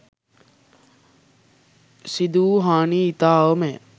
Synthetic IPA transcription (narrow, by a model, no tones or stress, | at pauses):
sid̪uːɦaːniːit̪aːʋəme